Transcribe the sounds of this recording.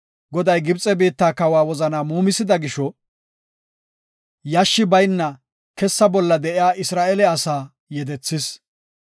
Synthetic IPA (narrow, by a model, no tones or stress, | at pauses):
ɡɔd̪ɐjɡɪbt͡sʼɛbiːt̪ːaːkɐwaːwɔzɐnaːmuːmɪsɪd̪ɐɡɪʃɔ | jaʃːɪbɐjnːɐ | kɛsːɐbɔlːɐd̪ɛʔɪjaːʔɪsɾaːʔɛlɛɐsaː | jɛd̪ɛt͡sːɪs